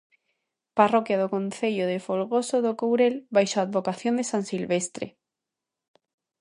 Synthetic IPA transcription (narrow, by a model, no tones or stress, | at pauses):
parokjað̞okõnθeʎoðefolɣosoðokowɾelβajʃoad̪βokaθjond̪esãnsilβest̪ɾḛ